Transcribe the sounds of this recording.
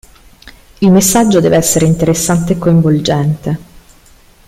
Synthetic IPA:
ilmesːad͡ʒːod̪ɛːveɛsːeɾeint̪eɾesːant̪eːkːoiɱvold͡ʒɛnt̪e

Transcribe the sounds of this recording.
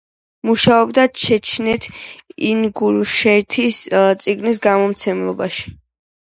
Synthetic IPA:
muʃaɔbd̪aʃʰɛt͡ʃʰnɛt̪ʰinɡuɾʃɛt̪ʰist̪sʼiɡnis̬ɡamɔmt̪sʰɛmlˠɔbaʃi̥

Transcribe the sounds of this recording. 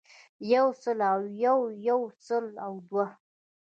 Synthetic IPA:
jawsəlawjawjawsəlawd̪wa

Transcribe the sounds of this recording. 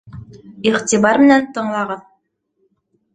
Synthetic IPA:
iχt̪iβɑɾmɘ̆nænt̪ɤ̆ɴlˠɑʁɤð

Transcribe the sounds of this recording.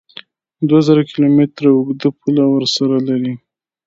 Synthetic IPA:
d̪wazəɾakɪlomet̪ɾaʊɡd̪əpʰulawəɾsaɾalaɾi

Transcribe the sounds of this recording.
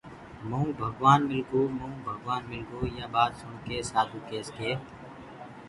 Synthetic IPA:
məũːbʱəɡʋaːnmɪlɡoːmə̃ũːbʱəɡʋaːnmɪlɡoːjaːɓaːt̪sʊɳkeːsaːd̪ʱuːkeːskeː

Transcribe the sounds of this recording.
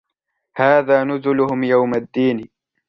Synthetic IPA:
haːðaːnʊzʊlʊhʊmjawmad̪ːiːn

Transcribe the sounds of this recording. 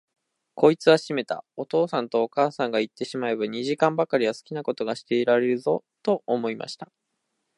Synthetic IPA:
ko̞it͡sɨβaɕime̞t̪a̰o̞t̪o̞ːsãnt̪o̞ːkaːsãŋɡait̪ːe̞ɕimae̞baɲ̟iʑikãmbakaɾʲiβasɨ̥kʲinako̞t̪o̞ɡaɕi̥t̪e̞iɾaɾe̞ɾɯ̟zo̞t̪o̞ʔːmo̞ima̰ɕi̥t̪ḁ

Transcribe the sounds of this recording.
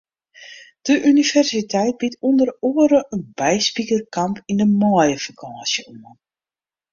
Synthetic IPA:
d̥əʔynivɛrsitʰɛjt̚bitʰundəroəɾəʔənbɛjspikərkampʰindəmɔjəfakʰaːsjəɔmə

